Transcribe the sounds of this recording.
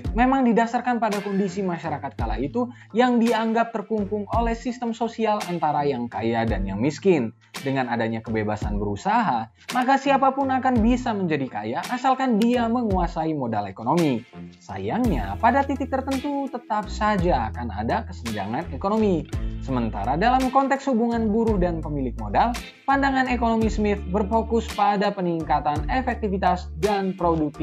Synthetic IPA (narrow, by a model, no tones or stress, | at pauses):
memaŋdidasarkanpadakondisimaʃaɾakat̪̚kala̰it̪u | jaŋdiaŋɡap̚t̪ərkumpʊŋolɛhsist̪əmsosialant̪aɾajaŋkajadanjaŋmiskɪn | dəŋanadaɲakəbebasanbəɾusaɦa | makasiapapʊnakanbisaməɲd͡ʒadika̰jaʔːsalkandiaməŋuasaimodalekonomisa̰jaŋɲa̰padat̪it̪ɪk̚t̪ərt̪ənt̪ut̪ət̪ap̚sad͡ʒakana̰dakəsəɲd͡ʒa̰ŋanekonomisəmənt̪aɾadalamkɔnt̪ɛkshubuŋanbuɾʊhdanpəmilɪk̚modal | pandaŋanekonomismɪt̪̚bərfokʊspadapəniŋkat̪anefɛk̚t̪ifit̪asdanpɾoduk̚t̪